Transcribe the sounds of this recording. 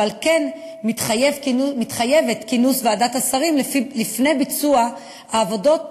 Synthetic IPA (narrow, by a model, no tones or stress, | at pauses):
alken | mitχajevmitχajevet̪kinusveadatasaʁimlilifne̞jbit͡sua | aːvodo̞t̚